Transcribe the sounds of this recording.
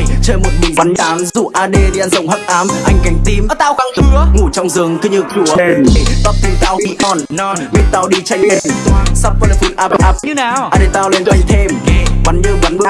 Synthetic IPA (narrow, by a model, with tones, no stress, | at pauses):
jt͡ɕəː˧jmo˨˩t̚ɓi̟˨˩va˨˦n˧aː˨˦mzṵ˧˨ʔaː˧ɗe˧ti˧ʔa˧nzə̰˧˨ŋ͡mɦə˦˥k̚ʔaː˨˦mʔa˧jŋ̟ka˨˦jŋ̟t̪i˧m˨˧t̪aː˧wxa˨˦ŋt̪ɨ˨˦əŋu˧˩t͡ɕɔ˧wŋ͡mzɨ˨˧˩əŋt̪ʰɨ˧ɲɨ˨˧˩k̚t͡ɕu˧˩e˧˩n˧˨t̪a˦˥p̚t̪i˨˧˦t̪aː˧˩wkḭ˧˨ʔɔ˧n˧mi˨˧˦t̚t̪aː˧˩wɗi˧t͡ɕa˧jŋ̟e˧˨˩t̪ːsa˦˥p̚və˧˩lfi˧˦nʔaː˧pə˧˩ʔa˦˥p̚ɲ˧naː˨ʔa˧˩ɗe˧˩t̪aː˧wle˧na˧jŋ̟t̪ʰe˧m˧va˨˦nɲɨ˧va˨˦nɓɨ˧˦